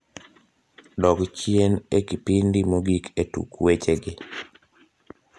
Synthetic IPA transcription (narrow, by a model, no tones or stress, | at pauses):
dɔkt͡ʃienekipindimoɡiketṵkwet͡ʃeɡɪ